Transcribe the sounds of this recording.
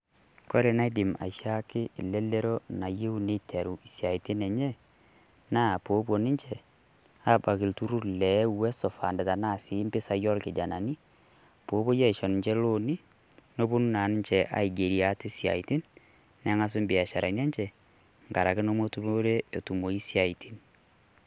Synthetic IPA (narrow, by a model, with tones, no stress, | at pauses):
ko˦ɾe˨na˦di˨ma̰˨ʃa˦kɪ˦˨le˦lːe˦ɾo˦na˨je˦u˦ne˦tʰe˨ɾu˨i˨sja˨i˨tɪ˦nɛ˨ɲɛ˦ | naː˦˨poː˨˦po˨nɪ˦ɲt͡ʃɛ˨ | a˦ba˨kɪ˨ltu˦ɾu˦ɾlɛ˨˦wɛ˦sɔ˨fa̰˨ndɛ˨ta˨naː˦˨si˨˦mbɪ˦sa˦jɔ˦lkɪ˨d͡ʒa˨na˨ni˦ | po˨˦bo˦je˦i˨ʃo˨n˨ɲt͡ʃɛ˦lo˦ni˦ | no˦bo˦nu˦na˨nɪ˦ɲt͡ʃɛ˨ʔa̰˨i˨ɡe˨ɾi˨a˨˦te˦sja̰˨i˨ti˦n | nɛ˨˦ŋa˦s̬ʊ˦mbɪ˨a˨ʃa˨ɾa˨n˦a˦ɲt͡ʃɛ˨ | ŋɡa˨ɾa˨kɪ˦no˦mo˦tu˦bo˦ɾe˦e˨tu˨mo˨i˦sja˨i˨tʰi˦n